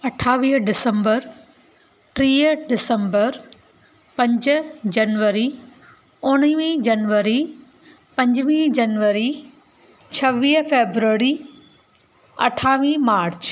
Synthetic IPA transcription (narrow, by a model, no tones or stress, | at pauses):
ɐʈʰaːʋiːɦɖɪsə̃mbəɾ | ʈɾiːɖɪsə̃mbəɾ | pɐ̃ɲd͡ʑʊd͡ʑɐnʋəɾi | ʊɽ̃iʋĩd͡ʑɐnʋəɾi | pɐ̃ɲd͡ʑʋĩːd͡ʑɐnʋəɾi | t͡ɕʰɐʋiːɦfeːbɾuəɾi | ɐ̰ʈʰaːʋĩːmaːɾt͡ɕ